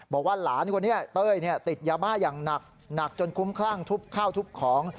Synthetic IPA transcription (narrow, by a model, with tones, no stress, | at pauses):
bɔː˨˩k̚waː˥˩laː˩˦nkʰwa˧nːi˦˥ɐt̪ɤː˥˩jni˥˩ɐt̪i˨˩t̪̚jaː˧baː˥˩jaː˨˩ŋna˨˩k̚ | na˨˩k̚t͡ɕo˧nkʰu˦˥mkʰlaː˥˩ŋt̪ʰu˦˥˩p̚kʰaː˥˩wt̪ʰu˦˥˩p̚kʰɔː˩˦ŋ